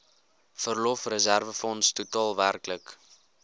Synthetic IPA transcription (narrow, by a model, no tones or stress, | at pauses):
fərlɔfrəzærvəfɔnstutɑːlˠværklək